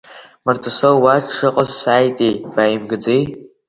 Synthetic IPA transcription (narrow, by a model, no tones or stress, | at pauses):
martʰɨsowwaʂʰɨqʼəzsaːjtʼejb̥ajimɡɨd͡zej